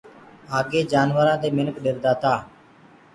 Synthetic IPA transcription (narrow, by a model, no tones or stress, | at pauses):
aːɡeːd͡ʒaːnʋəɾãːd̪eːmɪnəkɗɪɾd̪aːt̪aː